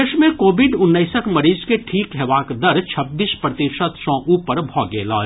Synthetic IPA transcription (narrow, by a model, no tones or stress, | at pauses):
eʃmẽkoːbɪɖʊnːəɪsəkmɐɾiːzkeʈʰiːkɦɛʋaːkd̪əɾt͡ʃʰɐbːiːspɾɐt̪iʃət̪sɔ̃ʔuːpəɾbʱɔːɡeːlɔ̰ː